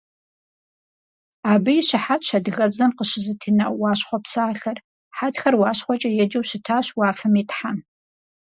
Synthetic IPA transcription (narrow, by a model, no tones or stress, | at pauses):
aːbɨjɪɕɪħatɕɐdɨɣɐbzɐmqəɕɪzɨtʰinɐwɑːɕχʷɔpsaːɬɐr | ħatxɐrwɑːɕχʷɔt͡ʃʼɐjɛd͡ʒɐwɕɪtʰaːɕwɑːfɐmiːtħam